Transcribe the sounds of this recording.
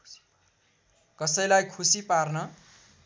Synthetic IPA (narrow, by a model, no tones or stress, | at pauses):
kʌsʌjlajkʰusiparnʌ